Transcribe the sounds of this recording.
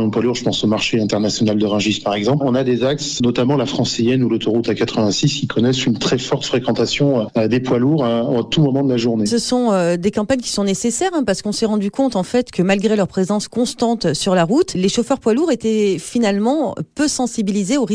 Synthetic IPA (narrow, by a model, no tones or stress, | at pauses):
ɔ̃pwaluʁʒəpɑ̃somaʁʃeɛ̃t̪ɛʁnasjɔnald̪əʁɛ̃ʒispaʁɛɡzɑ̃plɔ̃nad̪ezaksnɔt̪amɑ̃lafχɑ̃sejɛnulot̪ɔʁut̪akat̪χəvɛ̃siskikʰɔnɛsynt̪χɛfɔʁt̪fχekɑ̃t̪asjɔ̃d̪epwaluʁot̪umɔmɑ̃d̪əlaʒuʁnesəsɔ̃ød̪ekɑ̃paɲkʲi̥sɔ̃nesesɛʁɛ̃paʁsə̥kɔ̃sɛʁɑ̃d̪ykɔ̃t̪ɑ̃fɛt̪kʰəmalɡʁelœʁpχezɑ̃skɔ̃st̪ɑ̃t̪syʁlaʁut̪leʃofœʁpwaluʁet̪ɛfinalmɑ̃pøsɑ̃sibilizeoʁi